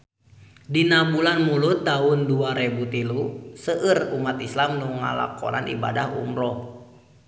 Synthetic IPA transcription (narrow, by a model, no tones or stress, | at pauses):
dinabulanmulut̪ːaunduaɾɛbut̪ilusəʔərumat̪islamnuŋa̰la̰kɔ̰ɾa̰nʔḭbadahṵmɾɔh